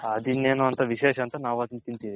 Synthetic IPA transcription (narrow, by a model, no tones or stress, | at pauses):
ɐd̪ineːnuɐnt̪ɐʋiʃeːʃɐnt̪ɐnaːʋɐːt̪int̪int̪i